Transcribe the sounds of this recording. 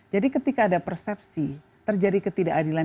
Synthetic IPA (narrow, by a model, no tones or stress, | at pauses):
d͡ʒadikət̪ikaːdapərsɛp̚si | t̪ərd͡ʒadikət̪idaʔːdila